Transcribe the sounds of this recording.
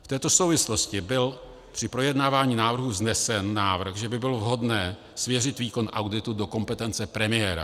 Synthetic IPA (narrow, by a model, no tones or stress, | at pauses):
ft̪ɛːt̪o̞so̞wvɪslo̞scɪbɪl | pr̥ɪpɾo̞jɛdnaːvaːɲiːnaːvr̩ɦuznɛsɛnːaːvr̩xʒɛbɪbɪlovɦo̞dnɛː | svjɛrɪt̪viːko̞nʔawdɪt̪udo̞ko̞mpɛt̪ɛnt͡sɛpɾɛmɪjɛːɾa̰